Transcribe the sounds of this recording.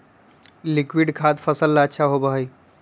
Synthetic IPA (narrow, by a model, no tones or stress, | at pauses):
likwiɖkʰad̪pʰəsəlːaəːʃʰaɦobəɦəj